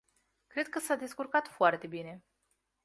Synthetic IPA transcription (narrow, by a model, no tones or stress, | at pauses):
kɾe̞d̪̚kəsad̪e̞skurkat̪foart̪e̞bine̞